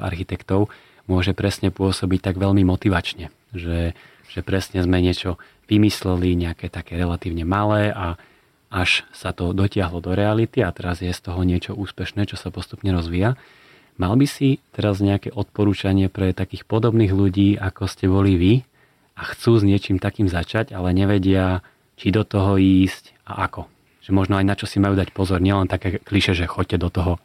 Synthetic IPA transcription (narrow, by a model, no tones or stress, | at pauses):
a̰ɾxit̪ɛkt̪ɔʊ | mʊɔʒɛpɾɛsɲɛpʊɔsɔbic̚t̪aɡʋɛʎmimɔt̪iʋat͡ʃɲɛ | ʒɛ | ʒ̥ɛpɾɛsɲɛzmɛɲɪɛt͡ʃɔ | ʋimislɛliɲɛakɛt̪akɛːɾɛlat̪iːʊɲɛmalɛːʔa | aʃsat̪ɔd̪ɔcɪaɦlɔd̪ɔɾɛalit̪iat̪ɛɾazjɛst̪ɔɦɔɲɪɛt͡ʃɔuːspɛʃnɛːt͡ʃɔsapɔst̪upɲɛɾɔzʋiːja | malbisit̪ɛɾazɲɛakɛʔɔt̪pɔɾuːt͡ʃaɲɪɛpɾɛt̪akiːxpɔd̪ɔbniːɣluɟiːʔakɔscɛbɔliʋi | axt͡suːzɲɪɛt͡ʃimt̪akiːmzat͡ʃaɟalɛɲɛʋɛɟɪa | t͡ʃid̪ɔt̪ɔɦɔiːsc | a̰ʔakɔ | ʒ̥ɛmɔʒnɔajnat͡ʃɔsimajuːd̪acpɔzɔɾɲɪɛlɛnt̪akɛːkliʃɛʒɛxɔc̚cːɛd̪ɔt̪ɔɦɔ